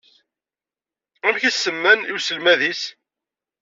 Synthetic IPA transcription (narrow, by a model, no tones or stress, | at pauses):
æmçisːəmːæniwsəlmæðis